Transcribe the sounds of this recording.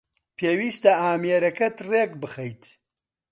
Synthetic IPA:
pʰeːwiːst̪ɐaːmeɾɐkɐt̪reːkbɨxɐjt̪

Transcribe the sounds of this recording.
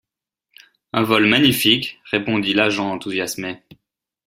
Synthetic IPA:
ɛ̃vɔlmaɲifikʁepɔ̃d̪ilaʒɑ̃ɑ̃t̪uzjasme

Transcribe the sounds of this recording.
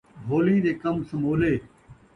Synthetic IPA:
bʱoːlĩːd̪eːkəmsəmoːleː

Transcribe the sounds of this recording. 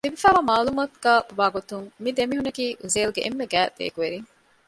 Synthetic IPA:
libifæːʋaːmaːlumat̪ɡ̥aːʋaːɡot̪uŋmid̪emiɦunɐkiːʔuzeːluɡeʔemːeɡæːd̪̥ḛːɡuʋeɾiŋ

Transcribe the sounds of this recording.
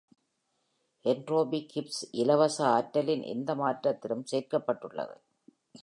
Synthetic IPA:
ʔɛɳɖroːbikɪpsʔɪlɐʋɐsɐaːʈːɐlɪnʔɛ̰nd̪ɐmaːʈɾɐt̪ːɪlɯmseːɾkɐpːɐʈːɯɭːɐ̰ðɯ̰

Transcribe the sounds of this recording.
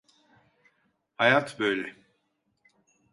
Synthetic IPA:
hajat̪bøjlʲɛ

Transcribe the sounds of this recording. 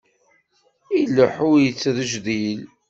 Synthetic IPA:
ilːəħʊɾjət͡sːðəʒðil

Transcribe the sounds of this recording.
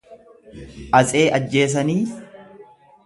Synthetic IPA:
ʔɐsʼe̞ːʔɐd͡ʒːe̞ːs̬ɐniː

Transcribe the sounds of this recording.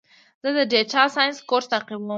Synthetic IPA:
z̥əd̪əɖeʈɑsɑjnskoɾst̪aqibwa

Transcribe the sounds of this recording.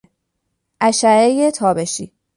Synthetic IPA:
ʔæʃæejet̪ʰɒːbeʃḭː

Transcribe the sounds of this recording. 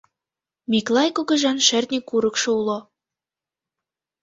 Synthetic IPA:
miklˠɑjkoɣɤ̆ʒɑnʃĕrt̪nʲikːuɾɤ̆kʃŏulo

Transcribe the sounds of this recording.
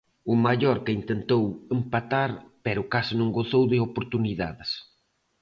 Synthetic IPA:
ʊmaʎoɾkɪint̪ent̪owempat̪aɾpɛɾʊkasɪnõŋɡoθowðɪopoɾt̪uniða̰ðɪs

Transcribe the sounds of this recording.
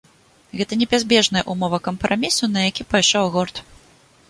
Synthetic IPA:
ɣɛt̪ɐnʲɛbʲazʲbʲɛʐnɐjɐʔumɔvɐkɐmpɾamʲisunɐjakʲipajʂɔwɣɔrt̪

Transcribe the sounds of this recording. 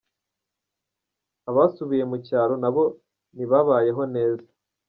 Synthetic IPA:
aβasuβije̞mucaːɾo̞naβo̞ | niβaβaːje̞ɦo̞ne̞ːza

